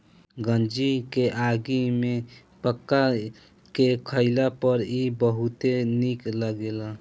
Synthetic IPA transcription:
ɡənd͡ʒikeʔaɡime | pəkːa | kekʰəɪlapəɾibəɦut̪enikləɡela

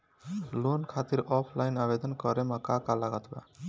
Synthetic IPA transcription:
lonkʰat̪iɾɔpʰlajnabed̪ɔnkɔɾemakakalaɡat̪ba̰

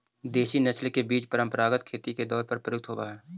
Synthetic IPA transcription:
d̪eːʃinɐslkebiːt͡ʃpəɾə̃mpəɾaːɡət̪kʰeːt̪iked̪ɔːɾpəɾpɾəjʊk̚t̪ʰɦoːtaɦɛː

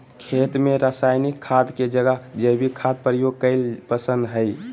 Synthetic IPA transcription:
kʰet̪meɾəsajnikkʰːad̪ked͡ʒəɡəɦd͡ʒəjbʱikʰːad̪̚pɾijoɡ̚kəɪlpəsə̃nd̪ɦəɪ

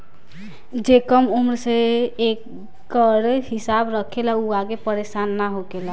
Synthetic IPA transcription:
d͡ʒekəmumɾseekː | əɾehisabɾəkʰelauaɡepəɾesanːaɦoɡela

